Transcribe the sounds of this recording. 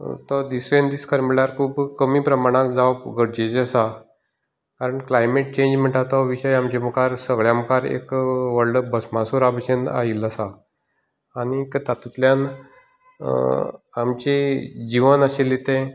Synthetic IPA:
t̪ɔd̪isʋend̪iskəɾmiɭaɾkʰuːbkəmiːpɾəmaɽ̃akd͡zaʋəpɡəɽd͡ʑed͡ʑasa | kaɾəɳklajmeʈ̚t͡ɕẽɲd͡ʑm̤əɳʈat̪aʋiɕəjamt͡ɕeməkaɾsəɡɭjãmkaɾḛkʋəɾɖəbəsmasuɾabəɕena̰ɦiləsaː | ɽ̃ikt̪at̪ut̪ljan | amt͡ɕed͡ʑiʋənaɕelːit̪ẽ

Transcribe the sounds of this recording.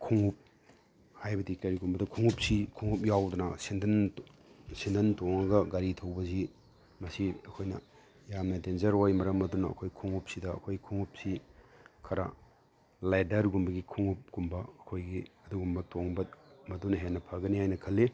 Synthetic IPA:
kʰuŋup̚ | hajbɐdikɐɾiɡumbɐdɐkʰuŋup̚sikʰuŋup̚jawdɐnɐsindɐn | sindɐntoŋɐɡɐɡaɾitʰɐwbɐzi | mɐsiɐkʰojnɐ | jamnɐdenzɐɾojmɐɾɐmɐdunɐɐ̰kʰojkʰuŋup̚sidɐɐ̰kʰojkʰuŋup̚sikʰɐɾa̰ | lajdɐɾɡumbɐɡikʰuŋup̚ɡ̥umbɐːkʰojɡiɐduɡumbɐtoŋbɐmɐdunɐɦenːɐpʰɐɡɐnihajnɐkʰɐlːe

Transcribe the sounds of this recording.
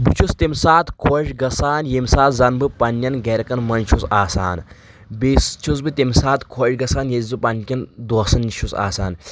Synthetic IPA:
but͡ʃʰust̪imsaːt̪kʰoʃɡɐsaːnjemsaːt̪zɐnbɨpɐnːɐnɡeɾɐkɐnmɐnt͡ʃʰusaːsa̰ːn | beːst͡ʃʰus̬bɨt̪imsaːt̪kʰoʃɡɐsaːnjezupɐnkʲɐnd̪osɐnːiʃʰusa̰ːsaːn

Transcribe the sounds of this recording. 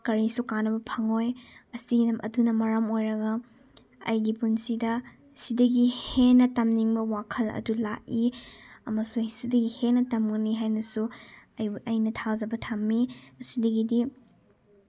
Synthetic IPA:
kɐɾisukanɐbɐpʰɐŋojɐsiɡidɐmʔɐ̰dunɐmɐɾɐmojɾɐɡɐ | ɐ̰jɡipunsidɐ | sidɐɡihenɐtɐmniŋbɐwakʰɐlɐ̰dulak̚iɐmɐsusidɐɡihenɐtɐmɡɐniɦajnɐsuɐjɐjnɐtʰazɐbɐtʰamːiɐsidɐɡidi

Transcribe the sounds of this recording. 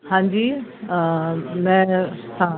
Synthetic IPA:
hãːɲd͡ʑiː | mɛ̃ːsã

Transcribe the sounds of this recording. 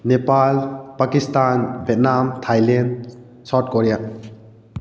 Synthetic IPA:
nepalpakistanbʱɛt̚namtʰajlɛn | sawt̚koɾija

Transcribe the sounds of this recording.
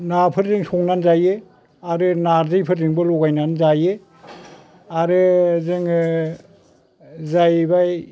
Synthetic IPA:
napʰɯɾzɯŋsʰɔŋnanzaje | aɾɯnaɾzɯjpʰɯɾzɯŋbɯlɔɡajnanzaje | aɾɯzɯŋ | zajbaj

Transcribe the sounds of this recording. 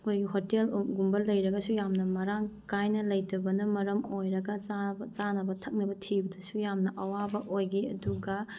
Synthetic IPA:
ɐkʰojɡiɦotelɡumbɐlːɐjɾɐɡɐsujamnɐmɐɾaŋkajnɐlɐjdɐbɐnɐmɐɾɐmojɾɐɡɐzzanɐbɐtʰɐk̚nɐbɐtʰibɐdɐsujamnɐʔɐwabɐʔojɡiɐ̰duɡɐ

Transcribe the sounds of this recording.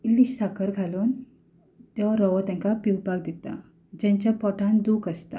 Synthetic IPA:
iliɕsakəɾɡʱalun | t̪ɛʋaɾɔʋət̪ãŋkapiwbaɡd̪it̪a̰ | d͡ʑãɲt͡ɕjapɔʈʰãnd̪uːkəst̪a̰

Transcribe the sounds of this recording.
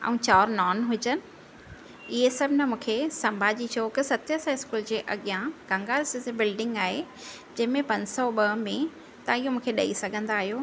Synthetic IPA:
ɛ̰̃ũːt͡ɕaːɾnɔːnɦʊd͡ʑənɪ̆ | ɪɦesɐbʱɪnəmũːkʰesɐ̃mbʱad͡ʑit͡ɕʰoːkɪsɐt̪jəsãɪskuːld͡ʑeːʔɐɠijãɡɐ̃ŋɡaːlɪsɪsebɪlɖɪ̃ŋɡaːɦe | d͡ʑɐ̃ɦɪ̃mẽpɐ̃ɲd͡ʑsɔɓɐɦmẽ | t̪ɐɪɦomũːkʰeɗɐisɐɡʱə̃nd̪aːɦijoː

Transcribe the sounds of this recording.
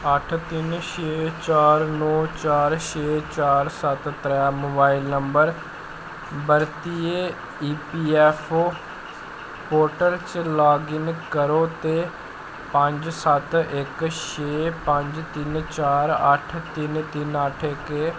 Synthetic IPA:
əʈʰt̪ɪnʃeːt͡ʃaːɾnɔːt͡ʃaːɾʃeːt͡ʃaːɾsət̪t̪ɾɛːmoːbaːɪlnəmbəɾ | bəɾt̪ieː | iːpiːɛːpʰoː | poːʈəɾt͡ʃlaːɡɪŋkəɾoːt̪eː | pə̃ɲd͡ʒsət̪ɪkʃeːpə̃ɲd͡ʒt̪ɪnt͡ʃaːɾə̰ʈʰt̪ɪnt̪ɪnəʈʰɪkeː

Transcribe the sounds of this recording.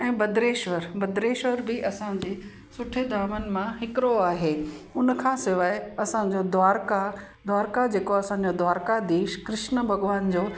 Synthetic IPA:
ɛ̃ːbɐd̪ɾeːʃʋəɾbɐd̪ɾeːʃʋəɾbɪʔɐsãd͡ʑeː | sʊʈʰed̪ʱaːmənɪ̆mãɦɪkɾoaːɦeːʊnə̆kʰãːsɪʋaːɪɐsãd͡ʑod̪ʋaːɾka | d̪ʱʋaːɾkad͡ʑeːkoɐsãɲ̆d͡ʑod̪ʱʋaːɾkad̪iːʃkɾɪʃnəbʱɐɡʋaːnd͡ʑoː

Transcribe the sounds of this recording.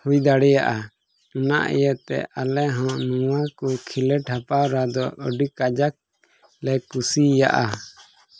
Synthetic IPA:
hujd̪aɽɛja̰ʔa | una̰ʔɛ̰jət̪ɛ̰ʔalɛɦɔ̃ʔnuwakukʰilɛʈhapawɾad̪ɔʔɔ̰ɖikad͡ʒak̚ | lɛkusija̰ʔa

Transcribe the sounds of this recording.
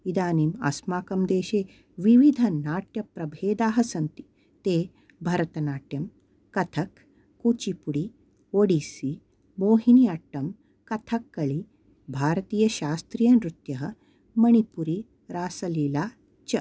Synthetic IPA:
id̪aːniːmɐ̰smaːkɐmd̪eːʃeː | ʋiʋid̪ʱɐnaːʈjɐpɾɐbʱeːd̪aːɦɐsɐnt̪i̥ | t̪eː | bʱɐɾɐt̪ɐnaːʈjɐm | kɐt̪ʰɐkː | ut͡ʃipuɽi | oɽiːsi | moːɦiniaʈːɐm | kɐt̪ʰɐkːɐɭi | bʱaːɾɐt̪iːjɐɕaːst̪ɾijɐnɾut̪jɐɦə | mɐɳ̃ipuɾi | ɾaːsɐliːlaː | t͡ʃɐ

